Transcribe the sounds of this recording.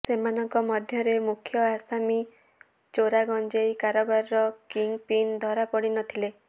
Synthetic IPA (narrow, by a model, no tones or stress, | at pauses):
semanɔŋkɔmɔd̪ʱjɔɾemukʰjɔasami | t͡ʃoɾaɡɔnd͡ʒejkaɾɔbaɾɾɔkiŋɡpind̪ʱɔɾapɔɽinɔt̪ʰile